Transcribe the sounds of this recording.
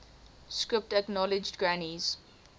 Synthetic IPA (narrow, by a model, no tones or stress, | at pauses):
skɹɪp̚təknɔlɪd͡ʒdɡɹaniz̥